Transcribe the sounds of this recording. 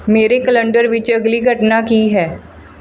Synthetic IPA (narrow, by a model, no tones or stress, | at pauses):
meːɾekələɳɖəɾʋɪt͡ʃəɡliːɡʱəʈnaːkiːɦɛː